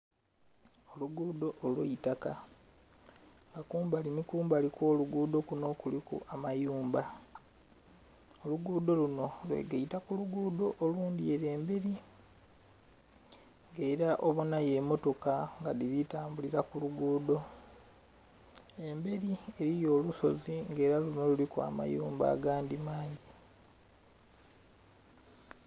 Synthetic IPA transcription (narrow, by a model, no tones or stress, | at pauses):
o̞luɡudo̞ʔːlweitaka | ŋɡakuːmbalinikuːmbalikwo̞ːluɡuːd̪o̞kuno̞ːkulikṵʔamajuːmba | oluɡudo̞luno̞lwe̞̰ːɡeitakuluɡuːd̪o̞ʔoluːndie̞ɾe̞ːmbeɾi | ŋɡe̞ːɾaʔoβunaje̞mo̞to̞kaŋɡaðilitaːmbuliɾakuluɡuːdo̞ | e̞mbe̞ɾie̞ɾijo̞ːluso̞ziŋɡe̞ːɾaluno̞lulikua̰ma̰juːmba̰ːɡaːndimaːɲɟi